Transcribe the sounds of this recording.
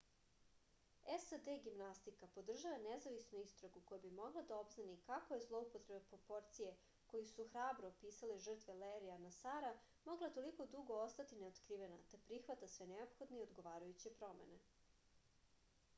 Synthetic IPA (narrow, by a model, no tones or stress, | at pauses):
esad̪eɡimnast̪ikapo̞d̪r̩ʒaʋanezaʋisnuist̪ɾoɡuko̞jabimo̞ɡlˠad̪ao̞bznanikako̞je̞zlˠo̞upot̪ɾe̞bepɾo̞po̞ɾt̪sije̞ | ko̞jusuxɾaːbɾoːpiːsaleʒər̩t̪ʋeleɾianasaːɾa | mo̞ɡlˠat̪o̞liko̞d̪uɡo̞ost̪at̪ine̞ot̪kɾiːʋe̞nat̪apɾixʋat̪asʋeneo̞pxo̞d̪neiod̪ɡo̞ʋaːɾajut͡ɕe̞pɾo̞me̞ne̞